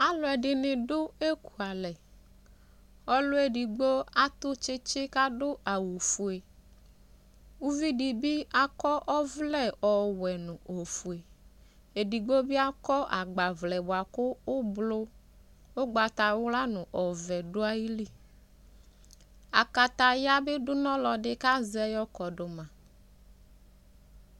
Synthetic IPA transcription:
a˨lʊ˨˦ɛ˨ɖɪ˨nɪ̃˨ɖʊ˦e˦ku˨a˨lɛ˨ | ɔ˦lʊ˦e˦ɖi˨ɡ͡bo˦a˦t̪ʊ˦t͡ʃɪ˦t͡ʃɪ˦ka˦ɖʊ˦a˨wo˨fu˨e˨ | wu˦vi˦di˨bi˦a˨kɔ˦ʔɔ˦vlɛ˦ɔ˨wɛ˨nʊ̃˨o˨fu˨e˨ | e˨di˨ɡ͡bo˦bɪ˦a˦kɔ˦ʔa˨ɡ͡ba˨vlɛ˨bʊ˨a˨kʊ˦ʊ˦blʊ˦ | o˦ɡ͡ba˨t̪a˨wʊ˦la˦nʊ̃˨ʔɔ˨vɛ˨dʊ˦a˦ji˦li˦ | a˨ka˨t̪a˨ja˦bɪ˦dʊ˦nɔ̃˦lɔ˨ɖɪ˦ka˦zɛ˦jɔ˦kɔ˨ɖʊ˨mã˨

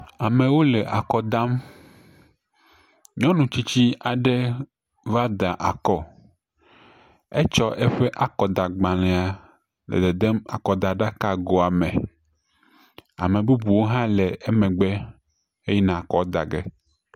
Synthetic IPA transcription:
a˨mẽ˨wo˦lɛ˨ʔa˨kɔ˨d̪a˦m | ɲɔ̃˦nũ˨t͡ɕi˦t͡ɕi˦a˨ɖe˦ | va˦d̪a˨ʔa˨kɔ˦ | e˦t͡ʃɔ˦ʔɛ˦ɸe˦ʔa˨kɔ˨d̪a˨ɡ͡bã˨lɛ̃˨a˨ | lɛ̰˨d̪e˨d̪ɛ˦ma̰˨kɔ˨d̪a˨ɖa˦ka˦ɡo˨a˨mɛ̃˨ | a̰˨me˨bu˦bu˨wo˦ɦã˦lɛ˨e˦mẽ˨ɡ͡bɛ˦ | e˦jɛ˦nã˨kɔ˦d̪a̰˨ɡḛ˦

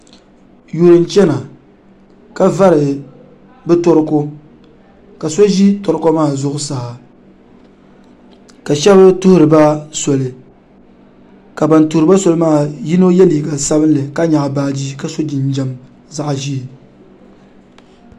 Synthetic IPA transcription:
ju˨ɾɨ˨n˦t͡ʃɛ˦na˨ | ka˦va˦ɾɨ˨ | bɛ˦tɔ˦ɾɨ˦ko˦ | ka˨so˦ʒi˦to˨ɾɨ˦ko˦maː˦˨zʊ˦ʔʊ˦sa˨ha˨ | ka˨ʃɛ˦bɨ˦tʊ˦hʊ˦ɾɨ˨ba˦sɔ˨lɨ˨ | ka˨ba˨n˨tu˨ɾɨ˦ba˦so˨lɨ˦maː˦˨ji˦no˦jɛ˦liː˨ɡa˨sa˦bɨ˦nlɨ˨ka˦ɲa˨ʔbaː˦d͡ʒi˦ka˦so˦d͡ʒi˨n˦d͡ʒɛ˦m | za˦ʔʒi˦˨

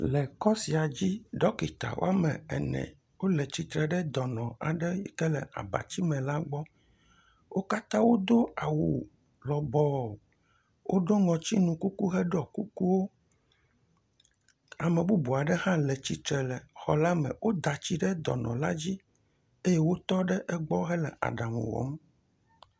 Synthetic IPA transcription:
lɛ˨kɔ˦si˨a˨d͡ʑi˦ɖɔ˦ki˨t̪a̰˨wo̰˦a˦mɛ̰˨ɛ̰˨nɛ̰̃˨ | wo˦lɛ˨t͡ɕi˨t̪ɾɛ˨ɖɛ˦d̪ɔ˨nɔ̃˨a˨ɖɛ˦kɛ˦lɛ̰˨ʔa̰˨ba̰˨t͡ɕi˦mɛ̃˨la˦ɡ͡bɔ˦ | wo˦ka˦t̪ã˦wo˦d̪o˦a˨wu˨ | lɔ˨bɔ˨ | wʔo˦ɖo˦ŋɔ̃˨t͡ɕi˦nũ˨ku˦ku˦ɦɛ˦ɖɔ˨ku˦ku˦wo˦ | a˨mẽ˨bu˦bu˨a˨ɖɛ˦hã˦lɛ˨t͡ɕi˨t̪ɾɛ˨lɛ˨xɔ˨la˦mɛ̰̃˨wʔo˦d̪a˨t͡ɕi˦ɖɛ˦d̪ɔ̰˨nɔ̰̃˨la˦d͡ʑi˦ | e˦je˦wo˦t̪ɔ˦ɖɛ˦ʔɛ˦ɡ͡bɔ˦ɦɛ˦lɛ̰˨ʔa̰˨ɖa˨m̰˨wɔ̰˨˦m

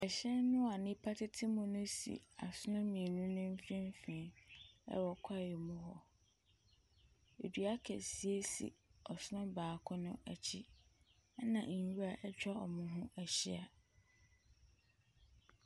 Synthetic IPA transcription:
ɛ˨ɕɛ˦nnʊ̃˦a˨nɪ̃˦pʰa˦tʰɪ˦tʰɪ˦mʊ̃˨nʊ̃˦sḭ˨a̰˨sʊ˦nʊ̃˦mĩ˨nʊ̃˦nʊ̃˦m̩˦fĩ˦m˦fĩ˨ɛ̰˦wɔ˨kʰa˦˨jɛ˨mʊ̃˦ɦɔ˦ | ḛ˨dɥa˦kʰɛ̰˨si˨˦e˦sḭ˨ɔ˨sʊ˦nʊ̃˦baː˨kʰʊ˦nʊ̃˦ʔæ˨t͡ɕʰi˦ | nã˨ʔɲ˨wu˦a˨ʔɛ˦t͡ɕᶣa˦ɔ˨mʊ̃˨ɦʊ̃˦æ˨ɕi˦a˨

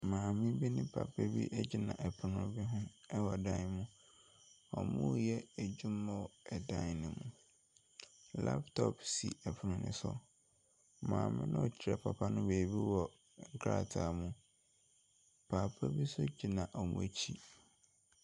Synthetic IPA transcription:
mãː˨mɪ̃˦bi˦nɪ̃˦pʰa̰˨pʰa˦bḭ˦ʔɛ˦d͡ʑi˨nã̰˨ʔɛ˨pʰʊ˨nʊ̃˦bɪ˦ɦʊ̃˦ɛ˦wɔ˨dã˦˨n˨mʊ̃˦ | ɔ̰˨mũ˦˨jɛ˦æ˨d͡ʑũ˦mã˦wɛ˨dã˦n˨nɪ̃˨mũ˨ | la̰˦ptʰɔ˨psḭ˨ɛ˨pʰʊ˨nʊ̃˨nɪ̰̃˦sʊ̰˦ | mã̰ː˨mɪ̰̃˦nã˦ɔ˨t͡ɕʰɪ˨ɾɛ˨pʰa˨pʰa˦nʊ̃˦beː˨bi˦wɔ˨ | ŋ̩˦kʰɾa̰˨tʰa˨mũ˨ | pʰa˨pʰa˦bi˦sʊ˦d͡ʑi˨nã˨ʔɔ˨mṵ̃˦e˨t͡ɕʰi˦

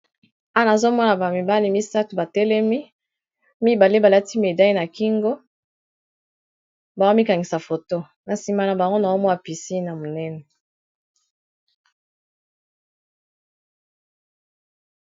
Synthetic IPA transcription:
a˦na˨zo˦mɔ˦na˨ba˨mi˨ba˦li˦mi˦sa˦tu˨ba˨tɛ˦lɛ˦mi˦ | mi˦ba˨le˦ba˨la˦ti˦me˨da˦i˦na˨ki˦ŋɡo˦ | ba˨ɡo˦mi˦ka˨ŋɡi˨sa˨fo˨to˦ | na˨si˨ma˨la˨ba˨ŋɡo˦na˨o˦mɔ˦a˨pi˨si˦na˨mo˨nɛ˦nɛ˨

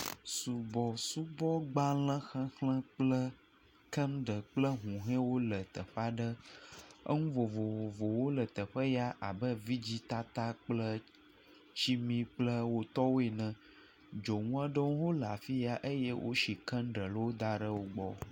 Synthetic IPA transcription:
su˨bɔ˨su˦bɔ˦ɡ͡ba˦lə̃˦xə̃˦xlɛ̃˦k͡plə˦ | kə̃˦nɖə˨k͡plə˦ɦũ˨ɦɛ̃˦wo˦lə˨t̪ə˨ɸa˦ɖə˦ | ə̰˦ŋũ˦vo˨vo˨vo˨wo˦lə˨t̪ə˨ɸə˦ja˦ʔa˨bə˦vi˦d͡ʑi˦t̪a˦t̪a˦k͡plə˦ | t͡ɕi˦mĩ˦k͡plə˦wo˦t̪ɔ˦wo˦e˨nə̃˨ | d͡ʒo˨ŋũ˦a˦ɖə˦wɦo˦la̰˨fi˦ja˦ʔə˦jɛ˦wʔo̰˦ʃi˨kə̃˦nɖə˨lə˦wo˦d̪a˦ɖə˦wo˦ɡ͡bɔ̰˦

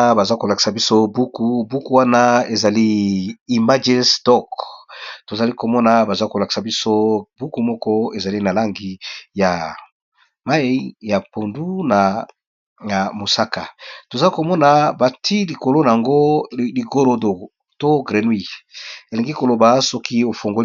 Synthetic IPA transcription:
ba˨za˦ko˨la˨ki̥˨sa˨bi˦so˦bu˦ku˨˦bu˦ku˦wa˦na˦e˨za˨li˦i˨ma˦d͡ʒi˦nstɔ˦k | to˨za˨li˦ko˨mɔ˦na˨ba˨za˦ko˨la˨ki̥˨sa˨bi˦so˦bu˦ku˨mɔ˦kɔ˦e˨za˨li˦na˨la˦ŋɡi˨ja˨ | ma˦i˦ja˨po˨ndu˦na˨ | a˨mo˨sa˦ka̰˨to˨za˨˦i˦ko˨mɔ˦na˨ba˨tʰi˦li˨ko˨lo˦na˨a˨ŋɡo˦li˨ɡo˦lo˨do˨ | to˦ɡʁe˨nwi˦˨e˨le˨ŋɡi˦ko˨lo˨ba˨sɔ˦ki˦o˨fo˨ŋɡo˦

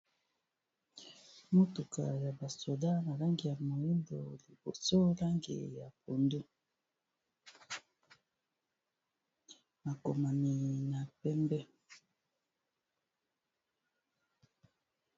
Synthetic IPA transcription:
mo˦tu˨kʰa̰˨ja˨ba˨so˨da˦na˨la˦ŋɡi˨ja˨mo˨ji˦ndo̰˨li˨bo̰˨so˦la˦ŋɡḛ˨ja˨pʰo˨ndu˦ | ma˨ko˨ma˨ni˨na˨pɛ˦mbɛ˦

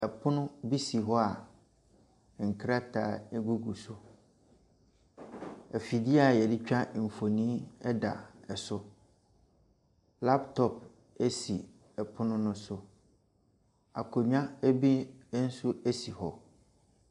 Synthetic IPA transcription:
ɛ˨pʰʊ˦nʊ̃˦bi˦si˨ɦɔ˦a˨ | ŋ̩˨kʰɾa˦tʰaː˨˦˨ɛ˦ɡu˦ɡu˨sʊ˦ | ɛ˨fi˨dɪ˦a˨jɛ˨dɪ˦t͡ɕᶣa˦˨m̩˨fo˨nĩː˦ɛ˦da̰˨ɛ˨sʊ˦ | la˦ptʰɔ˨p̚ | e˦si˨ | ɛ˨pʰʊ˦nʊ̃˦nʊ̃˦sʊ˦ | a̰˨kʰo˨ɲᶣã˦ɛ˦bi˦n̩˦su˦ɛ˦si˨hɔ˨

